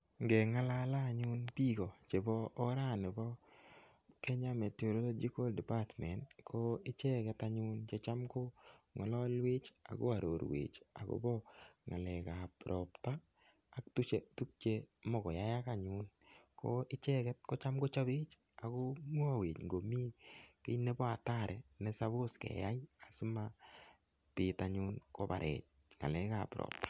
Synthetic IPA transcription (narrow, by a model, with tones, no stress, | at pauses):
ŋɡɛ˨ŋa˦la˦la˦˨ɲʊ˦npi˦ɡo˨t͡ʃe˨bɔː˦ɾa˦˨nɪ˨bɔ˦ | kɛ˦ɲa˦me˨to˨ɾo˦lo˦d͡ʒi˦ko˦ldɛ˨pa˦tmɛ˨ntkʰɔ˦ɪ˦t͡ʃɛ˦kɛ˦ta˦ɲʊ˦nt͡ʃe˦t͡ʃa˦mko˦ŋɔ˨lɔ˦lwɪ˦t͡ʃa̰˨ɡo̰˦a˨ɾo˨ɾwḛ˨t͡ʃa̰˨ɡo̰˦bɔ˦ŋa̰˨lɛ˨ka˨pɾʔɔ˨ptaː˦˨˦ | k̚tu˦t͡ʃe˦tu˦k̚t͡ʃe˦mɔ˨kɔ˨ja˦ja˦ka˨ɲʊn | kʰoʔɪ˦t͡ʃɛ˦kɛ˦t̚ko˦t͡ʃa˦mɡo˦t͡ʃa˦bɪ˦t͡ʃ | a˨ko˦mwɔ˦we˨t͡ʃŋɡo˨mi˦ke˦ne˦bɔ˦a˨ta˦˨ɾɛ˨ne˦sa˦βo˦skɛ̰˨ja˦ja˨si˦ma˦ | pɪ˨ta˨ɲʊ˦nko˦ba̰˨ɾʔɛ̰˨t͡ʃ̚ | ŋa̰˨lɛ˨ka˨pɾɔ̰˨p̚tḁ˦